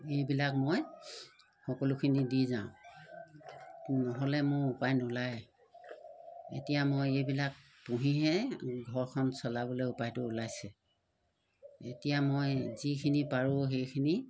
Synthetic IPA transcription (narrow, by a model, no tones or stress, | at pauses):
ejbilak̚moj | xɔkɔlʊkʰinidizãʊ̃ | nɔɦɔlɛmʊɹupajnulaj | ḛtijamojejbilak̚ | puɦiɦɛɡʱɔɹkʰɔnsɔlabɔleupajtʊːlajsɛ | etijamojzikʰinipaɹuɦejkʰini